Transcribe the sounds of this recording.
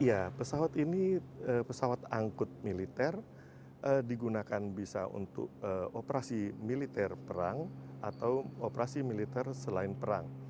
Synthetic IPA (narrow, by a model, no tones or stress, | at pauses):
ijapəsawat̪iniəːpəsawat̪aŋkʊt̪̚milit̪ɛr | ʔədiɡunakanbisa̰ṵnt̪ʊ̰k̚əopəɾasimilit̪ɛrpəɾaŋʔat̪awopəɾasimilit̪ɛrsəlaɪnpəɾa̰ŋ